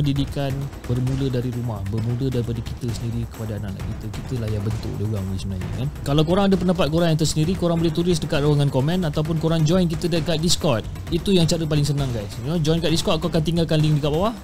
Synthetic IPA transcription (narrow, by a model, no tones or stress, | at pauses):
əndidikan | bərmũlədaɾiɾumahbərmũlədaɾipadəkit̪əsəndiɾikə̥padaːna̰ʔna̰ʔkit̪əkit̪əlahjaŋbənt̪ʊ̰k̚diuaŋlisəmənaɲə̰kankalawkoɾaŋadap̬əndapat̪̚koɾaŋjaŋt̪ərsəndiɾikoɾaŋbolɛht̪uɾɪsdəkat̪̚raaŋankomɛ̃nat̪awp̬ʊnkoɾaŋd͡ʒɔjnk̬it̪ədakat̪̚diskɔt̪̚ | it̪ujaŋt͡ʃaɾəp̬alɪŋsənãŋɡajsod͡ʒɔjnkat̪̚diskɔt̪̚kaakant̪iŋɡalkanliŋdəkaʔ̚bawah